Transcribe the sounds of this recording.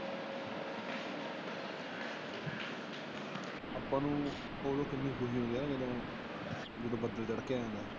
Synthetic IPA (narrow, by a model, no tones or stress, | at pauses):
aːpãːnũː | oːloːkɪnːiːbuɦiːɦõːd̪eːelõː | d͡ʒeːɽoːbəd̪əld͡ʒəɽkeaːɛ̃ːnd̪aː